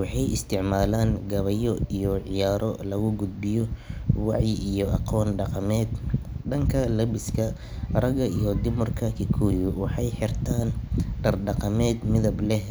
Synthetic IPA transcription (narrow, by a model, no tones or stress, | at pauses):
wɑħɑjɪst̪ʰɪʕmaːlaːŋɡɐβɐjɔijɔʕɪjaːɾɔ̰lɐɣʊɡʊd̪̚bɪjɔwɑʕjɪijɔʔɑqɔːnɖɑqɑmɛːd̪ɖɐŋkʰɐlɐbɪskʰɐ | rɐɡɐijɔd̪ɪmʊrkʰɐkʰɪkʰuːjʊwɑħɑjħɪrt̪ʰaːnɖɐrɖɑqɑmɛːd̪mɪðɐblɛh